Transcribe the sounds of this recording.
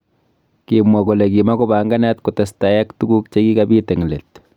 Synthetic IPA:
kimwa˨ko˨le˨ki˨ma˦ko˦ba˨ŋɡa˦nɛ˦tku˨ta˨staja˦ktuɡu˦k̚t͡ʃe˦ɡi˦kabiː˦te˨ŋle˨t

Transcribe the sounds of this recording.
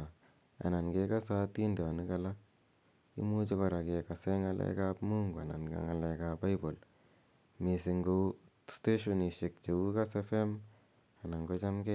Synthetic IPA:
a˨ | a̰˨na˨nke˦ka˦sa˦ti˦nde˨a˨ni˦ka˨la˦ | ḭ˦mu˦t͡ʃi˦ko˨ɾa˨ke˨ka˨se˦ŋa˨lʔḛ˦ka˦pmu˦ŋɡa̰˨na̰˨nka̰˦ŋa˨le˧ka˨ba˦jbo˨l | me˨si˧ŋɡo˦ | ste˦ʃo˦˨ni˨ʃe˨k̚t͡ʃe˨wu˦ka˦se˦fe˦m | a˨na˨ŋko˦t͡ʃa˦mke˦

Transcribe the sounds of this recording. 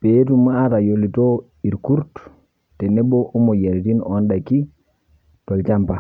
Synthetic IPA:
pe˨˦tu˦ma˦a˦ta˨jo˨li˨to˦ | i˨ɾku˦ɾt | te˨ne˦bo˦ʔo˦mo˨je˨ɾi˨ti˦nonda˨ki˦ | to˨lt͡ʃa˦mpa˨

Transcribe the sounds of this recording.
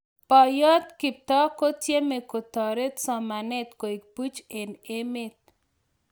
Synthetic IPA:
pɔ˨jɔ˦t̪kɪ˨p̚t̪ɔ˦ko˦tje˦me˨ko˨t̪ɔ˨ɾe˦t̪sɔ˨ma˨nɛ˦t̪ko˨i˨k̚pu˦t͡ʃe˨ne˦mɪ˦t̪̚

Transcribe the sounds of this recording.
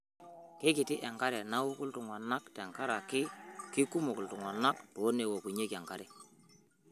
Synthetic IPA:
ke˦kɪ˨tɪ˦ʔɛ˨ŋka˦ɾɛ˨na˦wʊ˦kʊ˦ltʊ˨ŋwa˨na˦ktɛ˨ŋka˦ɾa˨kɪ˦ki˦ku˦mu˨kʊ˨ltʊ˨ŋwa˨na˦k̚tu˨o˦ne˨wo˨ku˨ɲe˦ka˨ŋka˦ɾɛ˨

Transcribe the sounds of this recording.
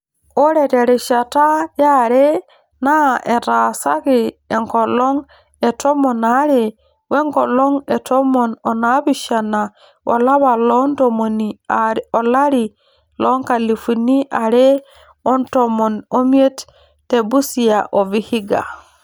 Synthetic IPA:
o˦ɾɛ˨te˨ɾɛ˨ʃa˨ta˦jaɾɛ˦ | na˦ʔe˨ɾasa˦kie˨ŋkɔ˨lɔ˦ŋ | e˨to˦mo˨naɾɛ | we˦ŋkɔ˨lɔ˦ŋe˨to˦mo˨no˨nabi˦ʃa˨na˨ | o̰˨la˦βa˨lɔntomo˨niao˨la˦ɾi˨ | lo˦ŋka˨li˨fu˨ni˦ʔa˨ɾɛ˦ | ɔ˦ntomo˨no˦mi˦e˦t | te˨bu˦si˨jaʔo˨vi˨hi˦ɡa̰˨

